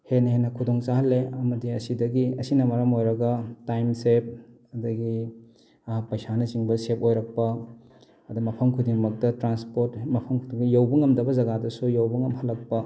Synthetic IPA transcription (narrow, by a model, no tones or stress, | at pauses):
henɐhenɐkʰudoŋt͡ʃahɐlːeɐmɐdiɐsidɐɡiɐsinɐmɐɾɐmojɾɐɡɐtajmsep̚ | ɐdɐɡi | ɐpɐjsanɐt͡ʃiŋbɐsep̚ojɾɐk̚pɐ | ɐdɐmɐpʰɐmkʰudiŋmɐk̚tɐtɾanspoɾtmɐpʰɐmkʰudiŋɐjowbɐŋɐmdɐbɐzɐɡadɐsujowbɐŋɐmhɐlːɐk̚pɐ